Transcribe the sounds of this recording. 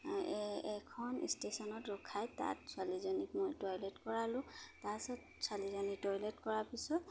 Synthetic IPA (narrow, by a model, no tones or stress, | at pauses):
ɛkʰɔnḭstesɔnɔtɹɔkʰajta̰tswalizɔnikmojtɔjletkɔɹalʊ̃tasɔt | salizɔnitɔjletkɔɹapisɔt